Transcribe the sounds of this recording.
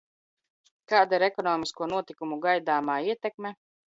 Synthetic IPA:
kaːd̪aiɾɛkɔnɔːmiskuɔnuɔt̪ikumuɡajd̪aːmaːiɛt̪ɛkme

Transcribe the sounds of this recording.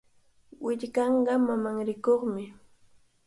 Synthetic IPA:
wɪʎkɑɴɢɑmamaŋɾɪkoχmɪ

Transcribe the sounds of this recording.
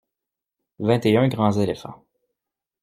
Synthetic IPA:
vɛ̃t̪eœ̃ɡʁɑ̃zelefɑ̰̃

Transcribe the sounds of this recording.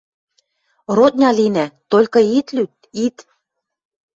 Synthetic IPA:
rot̪̚nʲɑlinæt̪olʲkɤ̆it̪lyt̪̚ | it̪

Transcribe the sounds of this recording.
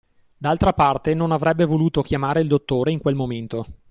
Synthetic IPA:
d̪alt̪ɾapart̪enonavɾɛbːevoluːt̪ok̟jamaːɾeild̪ot̪ːoːɾeiŋkwelmoment̪o

